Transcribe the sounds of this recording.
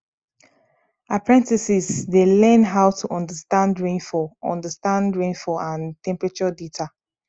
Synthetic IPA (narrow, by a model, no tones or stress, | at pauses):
apʰɹɛ̃ntisisdelɛ̃nɦaʊtʰuʔɔ̃ndəstãndɹẽnfɔɔ̰̃ndəstãndɹẽnfɔãntʰɛ̃mpɹat͡ʃɔdetʰa